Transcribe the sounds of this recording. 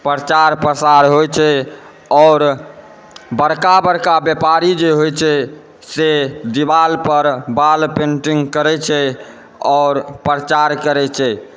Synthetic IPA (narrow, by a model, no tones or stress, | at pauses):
pɾət͡ʃaɾpɾəsaɾɦojt͡ʃʰɛ | ɔːɾ | bəɾkabəɾkabjepaɾid͡ʒeɦojt͡ʃʰɛ | sed̪ibalpəɾbalpẽɳʈiŋɡkəɾɛt͡ʃʰɛ | ɔːɾpɾət͡ʃaɾkəɾɛt͡ʃʰɛ